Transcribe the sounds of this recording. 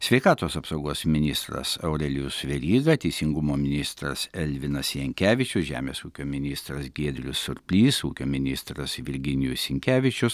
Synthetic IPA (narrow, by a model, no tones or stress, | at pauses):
sʲʋʲɛɪkɑːt̪oːsɐpsɐʊɡoɔsmʲɪnʲɪst̪ɾɐ̰sɐʊɾʲɛlʲɪjʊsʋʲɛɾʲiːɡɐt̪ʲɛɪsʲɪŋɡʊmoːmʲɪnʲɪst̪ɾɐ̰sɛlʲʋʲɪnɐsjɛŋʲkʲæːʋʲɪt͡ʃʲʊsʒʲæ̰ːmʲḛːsuːkʲoːmʲɪnʲɪst̪ɾɐsɡʲeːd̪ʲɾʲʊ̰sʊɾʲpʲlʲiːsuːkʲoːmʲɪnʲɪst̪ɾɐsʋʲɪɾʲɡʲɪnʲɪjʊsʲɪŋʲkʲæːʋʲɪt͡ʃʲʊs